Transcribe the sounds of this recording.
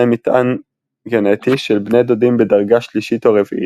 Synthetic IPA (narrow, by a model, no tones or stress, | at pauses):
emit̪ʔan | ɡenetiʃelbned̪odimbedaʁɡaʃliʃit̪oʁevḭʔi